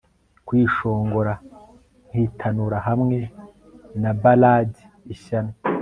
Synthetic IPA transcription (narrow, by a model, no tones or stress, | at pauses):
kwiːʃo̞ːŋɡo̞ɾa | ŋ̥hitʰanuɾaɦamŋe̞ | nabalaːɟi̥ | iʃana